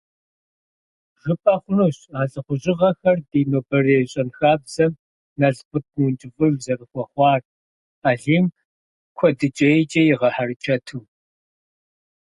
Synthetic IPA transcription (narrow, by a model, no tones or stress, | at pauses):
ʒ̥ɨpʼaːχʷʊnuɕaːɬʼɨχʷʊʑɪʁɐxɐrdiːnoːbɐreːɕʼɐnxaːbz̥ɐm | nɐɮpɨt̚ʰnunt͡ʃʼɨvɨɣzɐrɨχʷɔχʷɑːr | aːɮiːm | kʷʰɔdɨt͡ʃʼɐjt͡ʃʼɐjɪʁɐħarɨt͡ʃʰɐtʰɨː